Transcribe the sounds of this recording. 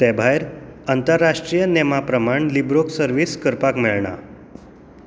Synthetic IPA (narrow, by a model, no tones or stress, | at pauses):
t̪ɛbʱajɾənt̪əɾːaʂʈɾijənɛmapɾəmaɳlibɾoksəɾʋiskəɾpakmiɭɳa̰